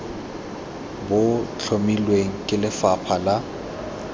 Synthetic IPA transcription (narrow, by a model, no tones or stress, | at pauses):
bʊt͡ɬʰomilweŋ̩kʼɪlɪfapʰala